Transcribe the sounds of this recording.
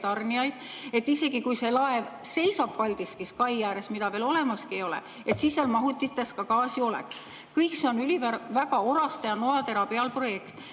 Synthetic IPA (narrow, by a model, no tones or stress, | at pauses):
t̪ɑrniɑjd̪̥̚ | e̞t̪ːise̞ɡ̥ikujse̞lɑe̞vse̞jsɑb̥vɑlʲd̪̥iskiskɑjjæːɾe̞smid̪̥ɑve̞ːlo̞le̞mɑskiejo̞lɛ̰ | et̪sisːjɑlmɑɦut̪ːˑit̪ːˑe̞skɑkɑːsio̞lḛks | kɤjkse̞o̞nylʲivæɾvæɡɑo̞ɾɑst̪ɑjɑnoɑt̪e̞ɾɑpiɑlpro̞je̞kt̪ˑ